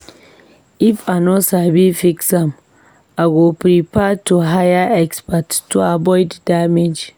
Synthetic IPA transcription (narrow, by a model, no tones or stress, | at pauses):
ifanosabifiksãm | aɡopɾipɛtuɦajaɛkspatːuabɔjddamed͡ʒ